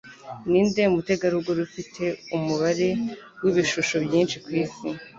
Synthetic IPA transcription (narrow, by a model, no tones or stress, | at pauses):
niːndemute̞ɡaɾuɡoɾufitʰe̞umuβaɾe̞ | wiβiʃuʃo̞bjiːnʃikwiːsi